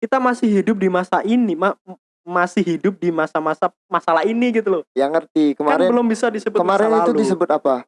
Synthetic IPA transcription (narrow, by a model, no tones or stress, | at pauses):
kit̪amasɪhidʊp̚dimasaʔinima | masɪhɦidʊp̚dimasamasa | masalaɦiniɡit̪ulɔjaŋːərt̪ikəmaaɾnɛbəlʊmbisadisəbʊtkəmaɾɛanliat̪uludisəbʊt̪apa